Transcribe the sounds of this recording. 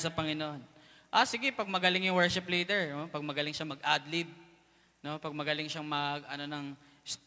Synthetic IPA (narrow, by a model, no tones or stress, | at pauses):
sɐpɐŋɪnoʔo̞n | ʔasɪɡɛpɐɡ̚mɐɡɐlɪŋjʊŋwɛɹʃɪpliːd̪ɛɹnopɐɡ̚mɐɡɐlɪŋʃɐmɐɡʔaːd̪lɪb̚ | no̞pɐɡ̚mɐɡɐlɪŋʃaŋmɐɡʔɐno̞nɐŋ | s